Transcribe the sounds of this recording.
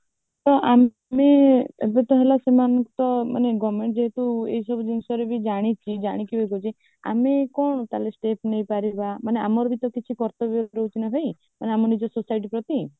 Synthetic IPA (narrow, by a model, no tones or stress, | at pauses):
t̪ɔʔa | meḛbet̪ɔɦelɔsemanɔŋkɔt̪ɔma̰neɡɔmeɳʈ̚d͡ʒeɦet̪uḛɦisɔbʱud͡ʒiŋsɔɾebid͡ʒaɽ̃it͡ʃʰid͡ʒaɽ̃ikibekut͡ʃʰi | a̰mekɔɳ̃ɔt̪alesʈepʰnejpaɾibamanea̰mɔɾɔbit̪ɔkit͡ʃʰikɔɾt̪ɔbjɔɾeut͡ʃinɔɦɔj | maneamɔnid͡ʒɔsusajʈ̬ipɾɔt̪i